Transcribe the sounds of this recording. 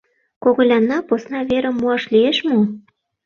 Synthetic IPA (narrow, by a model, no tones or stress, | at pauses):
koɣolʲɑnːɑposnɑβeɾə̆mːuɑʃlieʃmo